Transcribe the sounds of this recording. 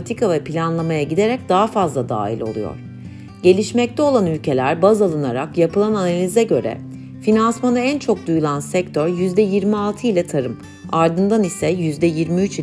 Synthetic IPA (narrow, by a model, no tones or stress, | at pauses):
t̪ʰikavɛpʰilʲanlˠamajaɟid̪eɾɛc̚d̪aɦafazlˠad̪a̰ːilʲolˠṵjo̰ɾ̥ | ɟe̞lʲiʃmɛc̚t̪ʰɛo̞lˠanylʲcʰe̞lʲæɾbazalˠɯnaɾakjapɯlˠananalʲizɛɟø̞ɾɛ̰ | finansmanaænt͡ʃʰo̞k̚d̪ujulˠansɛc̚t̪ʰøɾjyzd̪ɛjiɾmialˠt̪ʰɯilʲɛt̪ʰaɾɯm | aɾd̪ɯnd̪anisɛjyzd̪ɛjiɾmiyt͡ʃ